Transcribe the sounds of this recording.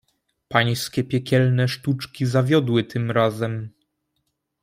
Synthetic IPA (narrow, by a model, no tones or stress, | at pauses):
paj̃skʲɛpʲjɛkʲɛlnɛʂt̪ut͡ʂkʲizavʲjɔd̪wɘt̪ʰɘmɾazɛm